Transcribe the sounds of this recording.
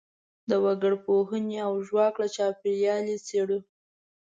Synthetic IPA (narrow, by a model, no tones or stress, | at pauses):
d̪əwaɡəɽpoɦəneawʒwaklat͡ʃɑpeɾjɑleseɽu